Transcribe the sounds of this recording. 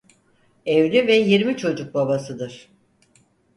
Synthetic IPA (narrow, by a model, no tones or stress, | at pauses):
evlʲyvɛjiɾmit͡ʃʰo̞d͡ʒuk̚babasɯd̪ɯɾ̥